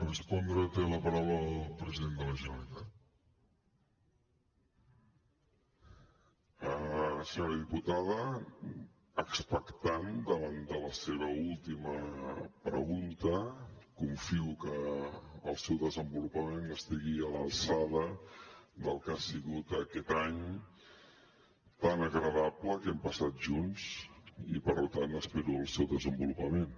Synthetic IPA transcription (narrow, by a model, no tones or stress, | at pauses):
rəspɔnd̪ɾət̪eləpəɾawɾəːllˠpɾəziðend̪ələʒənəlit̪at̪ | əsəɲoɾəðiput̪aðə | kspəkt̪and̪əβand̪ələseβ̞əulˠt̪iməpɾə̰ɣunt̪əkuɱfiukəː | lˠsɛwðəzəmbulupəmenəst̪iɣiələlsaðə | d̪əlˠkasiɣut̪əkɛt̪aɲ | t̪anəɣɾəðapləkɛmpəsat̪̚ʒunzḭpəɾlut̪ant̪əspɛɾuəlˠsɛwðəzəmbulupəmen